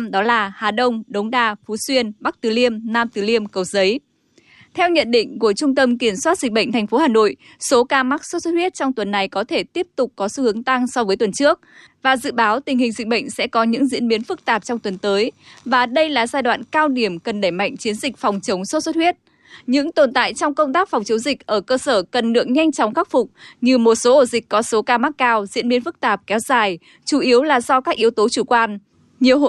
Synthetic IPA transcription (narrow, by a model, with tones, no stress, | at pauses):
ɗɔ˨˦laː˨˩haː˨˩ɗə˧wŋ͡mɗə˨˦wŋ͡mɗaː˧˩fu˨˦swi˧ənɓa˦˥k̚t̪ɨ˨˩li˧əmnaː˧mt̪ɨ˨˩li˧əmkə˨˩w̚zə˨˦j | t̪ʰɛ˧wɲə̰˧˨nɗḭ̈˧˨ŋ̟ku˧˩ət͡ɕʊ˧ŋ͡mt̪ə˧mki˧˩ənswaː˦˥t̚zï̟˨˩ɓə̰˧˨jŋ̟t̪ʰɛ˨˩j̟fo˨˦haː˨˩no̰˧˨j | so˨˦kaː˧ma˦˥k̚so˦˥t̚sə˦˥t̚hwi˦˥ət̚t͡ɕɔ˧wŋ͡mt̪wə˨˩nːa˨˩jkɔ˨˦t̪ʰe˧˩t̪i˦˥əp̚t̪ʊ˨˩k͡p̚kɔ˨˦sɨ˧hɨ˨˦əŋt̪a˧ŋsɔ˧vəː˨˦jt̪wə˨˩nt͡ɕɨ˦˥ək̚ | vaː˨˩zɨ̰˧˨ɓaː˨˦wt̪ï˨˩ŋ̟hï˨˩ŋ̟zï̟˨˩ɓə̰˧˨ŋ̟sɛ̰˧˥kɔ˨˦ɲɨ̰˧˥ŋzḭ˧˥ənɓi˨˦ənfɨ˦˥k̚t̪aː˨˩p̚t͡ɕɔ˧wŋ͡mt̪wə˨˩nt̪əː˨˦jvaː˨˩ɗə˧jlaː˨˩zaː˧jɗwa̰ː˧˨nkaː˧wɗi˧˩əmkə˨˩nɗə˧˩jma̰˧˨jŋ̟t͡ɕi˨˦ənzï˨˩k̟fɔ˨˩wŋ͡mt͡ɕə˨˦wŋ͡mso˦˥t̚sə˦˥t̚hwi˦˥ət̚ | ɲɨ̰˧˥ŋt̪o˨˩nt̪a̰ː˧˨jt͡ɕɔ˧wŋ͡mkə˧wŋ͡mt̪aː˦˥k̚fa˨˩wŋ͡mt͡ɕə˨˦wŋ͡mzï˨˩k̚ʔəː˧˩kəː˧səː˧˩kə˨˩nlɨ̰˧˨əŋɲa˧jŋ̟t͡ɕɔ˨˦wŋ͡mxaː˦˥k̚fʊ˨˩k͡p̚ɲɨ˧mo˨˩t̚so˨˦ʔo˧˩zï˨˩k̟kɔ˨˦so˨˦kaː˧ma˦˥k̚kaː˧wzḭ˧˥ənɓi˨ənfɨ˦˥k̚t̪aː˨˩p̚kɛ˨˦wzaː˨˩j | t͡ɕu˧˩ʔi˨˦əwlaː˨˩zɔ˧kaː˦˥k̚ʔi˨˩əwt̪o˨˦t͡ɕu˧˩kwaː˧n | ɲi˨˩əwɦ